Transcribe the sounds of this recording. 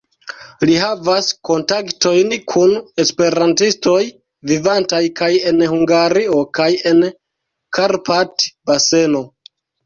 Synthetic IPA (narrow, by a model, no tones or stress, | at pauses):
liɦavasko̞ntakto̞jnkʰune̞spe̞ɾantisto̞j | vivantajkaje̞nhuŋɡaɾio̞kaje̞n | kʰaɾpatbase̞no̞